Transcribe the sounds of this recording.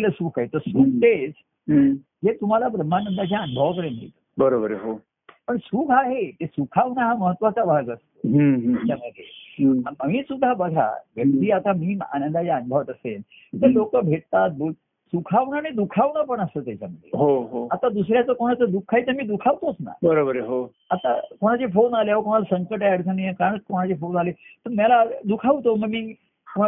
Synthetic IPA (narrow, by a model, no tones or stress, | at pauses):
ləsuːkʰaɦet̪əɾsuːk̚t̪et͡sː | d͡zet̪um̤alabɾəm̤ːanənd̪ad͡ʑjaənubʱəʋkəɾenḭt̪əbəɾobəɾɦo | pəɳsuːkʰaɦet̪esukʰaʋnaɦaməɦət̪ːʋat͡sabʱaɡəst̪oɦat͡ɕaməd̪ʱːjeməmiːsud̪ʱːabəɡʱa̰ʋjək̚t̪iːat̪amiːa̰nənd̪ad͡ʑjaənubʱəʋət̪əsel | t̪əɾlokəbʱeʈ̚t̪at̪̚bol | sukʰaʋnaɽ̃id̪ukʰaʋnapəɳəsət̪jat͡ɕaməd̪ʱːjeɦoɦoat̪ad̪usɾjat͡səkoɽ̃at͡səd̪ukʰːajit̪əɾmiːd̪ukʰaʋt̪osna̰bəɾobəɾɦo | at̪a̰koɽ̃at͡sefonaleaʋəkoɽ̃alasəŋkəʈaaɽt͡sənəjekaɽ̃ət͡skoɽ̃at͡ɕefonalet̪əɾmjalad̪ukʰaʋt̪oməɡmiː | ko